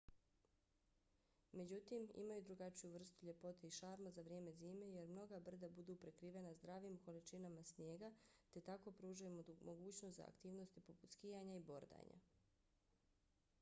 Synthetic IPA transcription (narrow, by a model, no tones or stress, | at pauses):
me̞d͡ʑut̪imḭmajud̪ɾuɡat͡ʃijuʋr̩st̪uʎe̞po̞t̪eiʃaːɾmazaʋɾje̞ːme̞ziːme̞je̞ɾmno̞ɡabr̩d̪abud̪upɾe̞kɾiːʋe̞nazd̪ɾaːʋimko̞lit͡ʃinamasnje̞ːɡat̪e̞t̪ako̞pɾuːʒajumo̞ɡuːt͡ɕno̞st̪za̰a̰kt̪iːʋno̞st̪ipoput̪skijaɲaibo̞ɾd̪a̰ɲa̰